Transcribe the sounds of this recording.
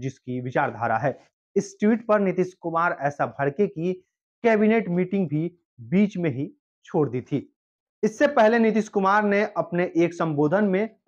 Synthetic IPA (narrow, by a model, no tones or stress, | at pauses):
d͡ʒɪskiʋɪt͡ʃaːɾd̪ʱaːɾa̰ɦɛː | ɪsʈiːʈpɐɾnɪt̪ɪʃkʊmaːɾɛːsabʱɐɽkeki | kɛːbineːʈmiːʈɪ̃ŋɡ̚bʱi | biːt͡ʃmẽɦi | t͡ʃʰoːɽd̪iːt̪ʰiː | ɪsːepɛɦlenɪt̪̬ɪʃkʊmaːɾneʔɐpneʔeːksɐ̃mboːd̪ʱənmẽ